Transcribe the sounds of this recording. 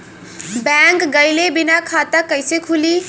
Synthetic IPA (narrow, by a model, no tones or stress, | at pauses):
bɛːŋkɡəɪlebɪnakʰat̪əkəjsekʰuliː